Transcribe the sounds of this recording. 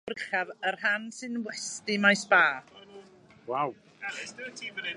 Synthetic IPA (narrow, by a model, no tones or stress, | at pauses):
rχavərɦansɨnwɛstɪmajsb̥aː | wawʰ